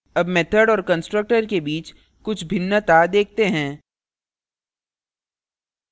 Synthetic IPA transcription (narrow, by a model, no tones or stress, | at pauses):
ɐbmeːt̪ʰəɖɔːɾkə̃nsʈɾək̚ʈəɾkebiːt͡ʃ | kʊt͡ʃʰbʱɪnːət̪ad̪eːk̚ʰt̪eɦɛ̃ː